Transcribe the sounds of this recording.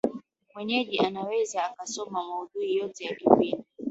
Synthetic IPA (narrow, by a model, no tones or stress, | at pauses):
mwɛɲɛʄiʔanawɛzaːkasɔmamauɗuijɔtɛjakipini